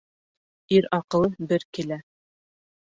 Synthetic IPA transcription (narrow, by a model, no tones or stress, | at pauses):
iɾɑqɤ̆lˠɤbɘɾkɘlæ